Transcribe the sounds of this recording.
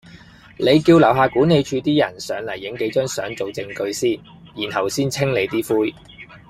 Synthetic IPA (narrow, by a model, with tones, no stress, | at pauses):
le˨˧jkiː˧wlɐ˨˩wɦaː˨˩kuː˨˥nːe˨˧jt͡ʃʰyː˨˧t̪iː˥jɐ˨˩nsœ̰ː˨˧ŋlɐ˨˩jːɪ˨˥ŋke˨˥jt͡ʃœː˥ŋsœ̰ː˨˥ŋt͡so˨wt͡sɪ˧ŋkɵ˧ɥsiː˥˩ | jiː˨˩nhɐ˨˩wsiː˥nt͡sʰɪ˥ŋle˨˧jt̪iː˥fuː˥j